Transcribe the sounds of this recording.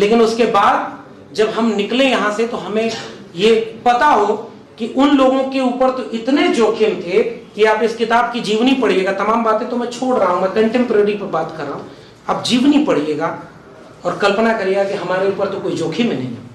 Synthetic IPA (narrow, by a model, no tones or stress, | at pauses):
leːkɪnʊskebaːd̪̚ | d͡ʒɐbɦɐmnɪklẽjɐɦãset̪oɦɐmẽ | jepɐt̪aɦo | kiʔʊnloːɡõkeuːpəɾt̪oʔɪt̪ned͡ʒoːkʰemẽt̪ʰekiaːpɪskɪt̪aːb̚kid͡ʒiːʋnipɐɽ̤ieːɡat̪ɐmaːmbaːt̪ẽt̪omɛ̃t͡ʃʰoːɽɾɐɦaɦũɡakɐ̃ɳʈẽːmpɾəɾipɐɾbaːt̪kɐɾːaːɦũ | aːp̚d͡ʒiːʋnipɐɽ̤ieːɡaː | ɔːɾkɐlpnakɐɾeeːɡakiɦɐmaːɾeuːpəɾt̪okoːid͡ʒoːkʰimẽnɐ̰̃ɦĩ